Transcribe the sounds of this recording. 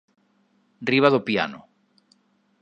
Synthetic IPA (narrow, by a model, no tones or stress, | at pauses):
riβ̞aðopia̰no